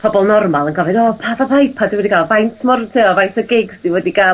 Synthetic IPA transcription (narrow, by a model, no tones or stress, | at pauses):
pʰɔbɔlˠnɔrmalˠənɡɔvɨdɔːpʰaːvavajpʰaduwɛdiɡalˠvajntʰmɔrtʰɪɔvajntʰɔɡɪɡsd̥iwɛdiɡa